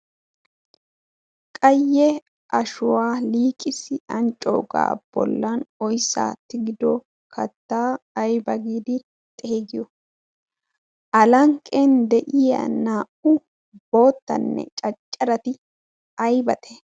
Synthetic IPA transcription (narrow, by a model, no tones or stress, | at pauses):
kʼɐjːɛ | ʔɐʃʊwaːliːkʼɪsɪɐnt͡ʃʼo̰ːɡa̰ːb̥ɔ̰lːɐnɔjsa̰ːt̪ːɪɡɪd̪ɔ | kʰɐt̪ːaːjbɐɡiːd̪ɪ | t̪ʼeːɡɪjɔ | ʔɐlɐŋkʼːend̪ɛʔɪjɐ̰naːʔʊ | bo̞ːt̪ːɐ̰nːɛ̰t͡ʃʼɐt͡ʃʼːɐɾɐt̪ɪ | ɐjbɐt̪ʰɛ̥